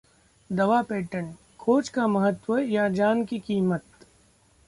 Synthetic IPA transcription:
d̪ɐʋapeːʈəɳ | kʰoːt͡ʃkamɐɦət̪wəjad͡ʒaːnkikiːmət̪̚

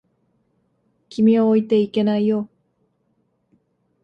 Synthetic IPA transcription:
kʲʰimʲioːit̪e̞ike̞naijo

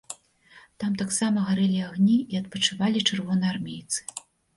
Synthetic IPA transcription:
t̪amt̪aksamɐɣaɾɛlʲiaɣnʲiːɐt̪̚pɐt͡ʂɨvalʲit͡ʂɨrvɔnɨjarmʲejt̪sɨ̥

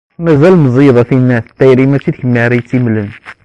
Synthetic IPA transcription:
mæzælməzˤiðˤɑθinːæθt̪ːæjɾimæt͡ʃːid̪çəmːæɾit͡sːimlən

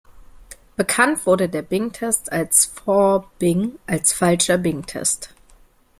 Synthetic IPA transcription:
b̥əkʰantv̥ʊɐɾədeːɐbɪŋtʰɛstʰalsfɔɐb̥ɪŋʔalsfalʃɐbɪŋtʰɛ̰st

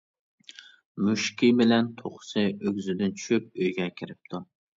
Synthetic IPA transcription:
muʃkʲibɪlɛnt̪ʰoχʊ̥sɨʔøɡʲzɪd̪ɪnt͡ʃʰy̥ʃyp̚øjɡʲɛkʲʰɪɾɪp̚t̪ʰu

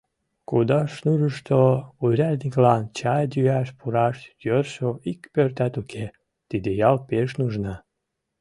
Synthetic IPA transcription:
kud̪ɑʃnuʒəʃt̪ouɾʲælʲnʲiklɑnt͡ɕɑjd̪ʲyæʃpuɾɑʃd̪ʲørʃoikpørt̪æt̪ukʰe | t̪id̪ejɑlpeʃnuʒnɑ

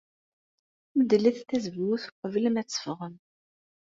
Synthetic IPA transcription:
məd̪əlːiθθæzvwuθqvləmæt͡sːə̥fʁən

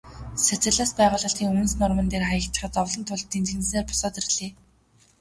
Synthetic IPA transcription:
sæt͡sɘ̆ɮaːspæːʁʊːɮə̆ɬt̪iːŋɵm̆nsnʊrmə̆nt̪eːrχajə̆kt̪ə̆χə̆t̪ɔwɮɞ̆nt̪ʰʊɮt̪ːiːnt̪ʰinsneːrpʊ̥sɔːt̪irɮeː

